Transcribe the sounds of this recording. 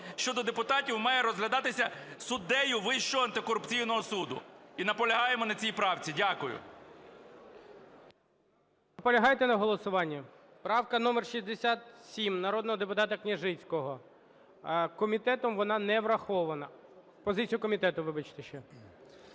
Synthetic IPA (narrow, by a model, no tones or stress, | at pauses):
ʃt͡ʃɔd̪ɔd̪epʊt̪ɑtʲiwmɑjɛɾɔzɦlʲɐd̪ɑt̪ɪsʲɐsʊd̪ɛjʊʋɪʃt͡ʃɔɦɔɐnt̪ɪkɔɾʊpt͡sʲijnɔɦɔsud̪ʊ̰inɐpɔlʲɐɦɑjemɔnɐt͡sʲijpɾɑwt͡sʲidʲakʊjʊ̰ | nɐpɔlʲɐɦɑjt̪ɛnɐɦɔlˠɔsʊʋɑnʲːɐ | pɾɑwkɐnɔmɛrʃizʲd̪esʲat̪sʲimnɐɾɔd̪nɔɦɔd̪epʊt̪ɑt̪ɐknʲɐʒɪt͡sʲkɔɦɔ | kɔmʲit̪ɛt̪ɔmʋɔnɑnɛʋɾɐxɔʋɐnɐ | pɔzɪt͡sʲijʊkɔmʲit̪ɛt̪ʊʋɪbɐt͡ʃt̪ɛʃt͡ʃɛ